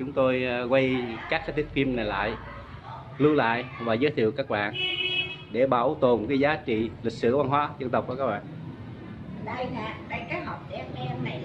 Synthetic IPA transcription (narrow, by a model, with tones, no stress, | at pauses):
t͡ɕʊ˨˦ŋ͡mt̪o˧jkwa˧jkaː˦˥k̚sa˦˥t̪i˦˥k̚fi˧mna˨˩jla̰ː˧˨j | lɨ˧la̰ː˧˨jvaː˨˩zəː˨˦jt̪ʰḭ˧˨wkaː˦˥k̚ɓa̰ː˧˨n | ɗe˧˩ɓaː˧˩wt̪o˨˩nkaː˨˦jzaː˨˦t͡ɕḭ˧˨li˨˩k̚sɨ̰˧˩va˧nɦwaː˨˦zə˧nt̪ə˨˩k͡p̚ku˧˩kaː˦˥ɓaː˧˨n˧ | a˨˩t̪a̰ː˧˨kaː˦˥hɔ˨˩wp̚t̚ːmɛ˧˨˩